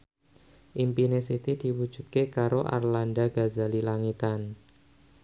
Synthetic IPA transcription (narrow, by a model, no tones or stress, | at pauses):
ʔimpinesit̪id̪̥i̤wud̥ʒ̥ṳt̪̚kekaɾoʔa̰rlandaɡ̥azalilaŋit̪an